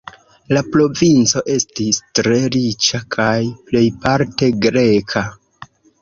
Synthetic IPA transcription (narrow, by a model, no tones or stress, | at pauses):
lapɾo̞vint͡so̞ʔe̞stistɾe̞ɾit͡ʃakʰajple̞jpaɾte̞ɡɾe̞kʰa